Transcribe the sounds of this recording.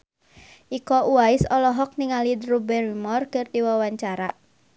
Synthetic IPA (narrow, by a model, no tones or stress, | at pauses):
ʔikɔʔuaɪsɔlɔɦɔk̚niŋalid̪rubɛrimɔrkərdiwawaɲt͡ʃaɾaʔ